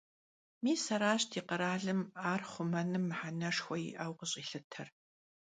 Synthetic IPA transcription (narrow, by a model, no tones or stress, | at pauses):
miːsɐɾaːɕtʰiːqəɾaːɮɨmaːrχʷʊmɐnɨmːħanɐʂxʷɔjɪ̰ʔɐwqəɕʼiːɬɨtʰɐr